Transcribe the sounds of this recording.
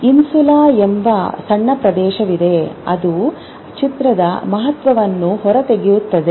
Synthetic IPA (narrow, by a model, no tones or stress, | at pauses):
insulaːembɐsɐɳːɐpɾɐd̪ɛːʃɐʋid̪e̞ɐd̪u | t͡ʃit̪ɾɐd̪ɐmɐɦɐt̪ʋɐʋɐnːuɦɔɾɐt̪e̞ɡijut̪ːɐd̪e